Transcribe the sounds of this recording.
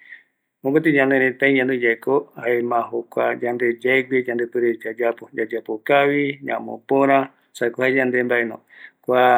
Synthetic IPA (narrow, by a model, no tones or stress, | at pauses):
mõkat̪iɲãnɾẽt̪ãĩɲãnũd͡ʒaikoaemãɦokʷa̰d͡ʒand̪ed͡ʒaiɡieɲãnd̪epɨɾed͡ʒad͡ʒapod͡ʒad͡ʒapokawiɲã̰mõ̰poɾ̃ã | sakohaɲãnd̪embainõ̰ | kʷa